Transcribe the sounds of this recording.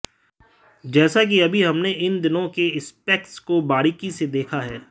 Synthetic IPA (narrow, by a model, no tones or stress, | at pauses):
d͡ʒɛːsak̬iɐbʱiɦɐmneɪnd̪ɪnõkeɪspeːk̚ʈskobaːɽikised̪eːkʰaɦɛː